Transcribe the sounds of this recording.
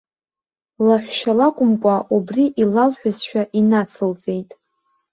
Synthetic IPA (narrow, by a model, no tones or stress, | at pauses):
laħʷʃalakʷʼʊmkʷʼaʔubriʔilalħʷᶣʊzʃᶣaʔinat͡sʰɨlt͡sʼe̞jtʼ